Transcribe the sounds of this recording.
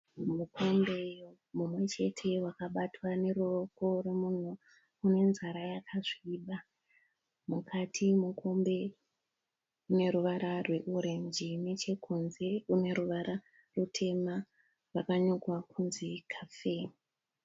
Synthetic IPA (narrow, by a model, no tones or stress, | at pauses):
muko̞mbe̞ | mumwe̞t͡ʃe̞tʰe̞wakaɓatwane̞ɾuroko̞remun̤uː | ne̞nzaɾajakʰaʐiːɓa | mukʰatʰimukʰo̞mbe̞ | une̞ɾuʋaɾarwe̞ʔuɾe̞ɲd͡ʒinet͡ʃe̞kʰunze̞une̞ɾuʋaɾa | rutʰe̞ma | rakaɲokwakʰunzikʰafeː